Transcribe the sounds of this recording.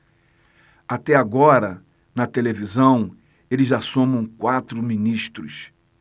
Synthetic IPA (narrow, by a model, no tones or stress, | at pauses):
at̪ɛaɡɔɾɐ | nɐt̪elevizɐ̃w̃ | elɪzasõmɐ̃w̃kwat̪ɾʊminiʃt̪ɾʊ̰s